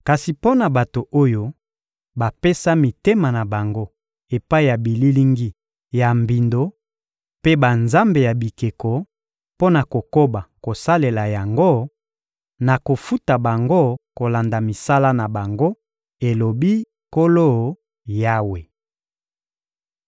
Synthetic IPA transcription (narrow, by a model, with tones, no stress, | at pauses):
ka˨si˨po˦na˨ba˨to˨ʔo˦jo˦ | ba˨pe˦sa˦mi˨te˦ma˨na˨ba˨ŋɡo˦ | e˨pa˦i˦˨ja˨bi˨li˦li˦ŋɡi˦ | ja˨mbi˨ndo˨˦ | pe˦ba˨nza˦mbe˨ja˨bi˨ke˨ko˨ | po˦na˨ko˨ko˦ba˨ko˨sa˦le˨la˨ja˨ŋɡo˦ | na˨ko˨fu˦ta˨ba˨ŋɡo˦ko˨la˨nda˨mi˨sa˦la˦na˨ba˨ŋɡo˦ | e˨lo˨bi˦ | ko˦lo˦˨ | ja˦we˨